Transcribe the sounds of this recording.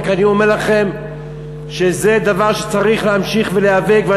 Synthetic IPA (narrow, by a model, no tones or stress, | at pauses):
kanio̞meʁlaχe̞m | ʃe̞ze̞d̪avaʁʃe̥t͡saʁiχleɦamʃiχveleave̞ɡvea